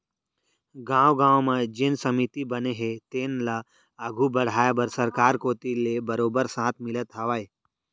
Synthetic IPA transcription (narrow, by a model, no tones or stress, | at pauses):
ɡãːwɡãːwmãd͡ʒɪnsɐmit̪ibɐneɦet̪eːnla | əɡʱubɐɽ̤aːjabəɾsɐɾkaːɾkoːt̪ilebɐɾoːbəɾsãːt̪ʰmɪlət̪ɦaʋaːe